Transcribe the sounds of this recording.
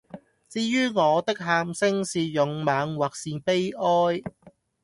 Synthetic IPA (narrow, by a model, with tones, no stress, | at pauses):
t͡siː˧˥jyː˥ŋɔː˨˧t̪ɪ˥k̚ɦaː˧msɪ˥ŋsiː˨jʊ˨ŋmaː˨˧ŋwaː˨k̚siː˨pe˥jʔɔː˥j